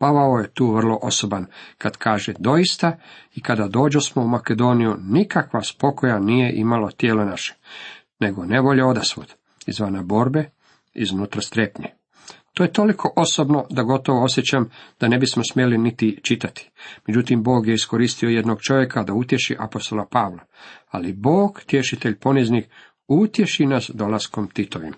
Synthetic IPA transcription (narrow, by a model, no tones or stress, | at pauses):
paʋaojet̪uːʋr̩lˠo̞ʔo̞sobankad̪̥kʰaːʒed̪o̞jist̪aikad̪ad̪o̞ːd͡ʑosmoumaked̪o̞ːnijunikakʋaspo̞ko̞janije̞ʔḭmalot̪jeːlenaʃe̥ | ne̞ɡo̞ne̞ʋo̞ʎeo̞d̪asʋo̰d̪̥ | ḭzʋanabo̞ɾbe̞ | ḭznuːt̪ɾast̪ɾepɲe | t̪oːje̞t̪o̞likʰo̞ʔo̞sobno̞d̪aɡo̞t̪oʋoo̞sjet͡ɕamd̪̥ane̞bismosmje̞linit̪it͡ʃit̪at̪i̥med͡ʑut̪imbo̞ːɡje̞isko̞ɾiːst̪iojed̪no̞ɡt͡ʃo̞ʋje̞kʰad̪aut̪je̞ʃḭʔapo̞st̪o̞lˠapaʋla | alibo̞ːɡ̥t̪je̞ʃit̪e̞ʎpo̞niznix | ut̪je̞ʃinasd̪o̞lasko̞mt̪it̪oʋḭm